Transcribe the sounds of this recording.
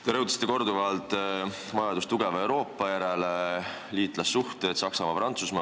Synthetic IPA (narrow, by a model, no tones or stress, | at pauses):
t̪eɾɤwt̪ɑ̥si̥t̪ːeko̞rd̪uvɑlt̪ | mɑjɑd̪ust̪uɡeve̞wɾo̞ːpˑːɑjæɾe̞le | liːt̪ˑlɑsːuht̪et̪sɑksɑmɑpɾɑnt̪susmɑ